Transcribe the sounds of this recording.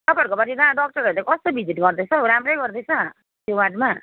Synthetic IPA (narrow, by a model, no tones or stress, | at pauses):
t̪ʌpʌrkobaɾidaɖʌk̚ʈʌɾʌɾulekʌst̪obʱid͡ziʈɡʌrd̪ʌt͡sʰʌɾamrʌjɡʌrd̪ʌjt͡sʰʌ | t̪jowaʈma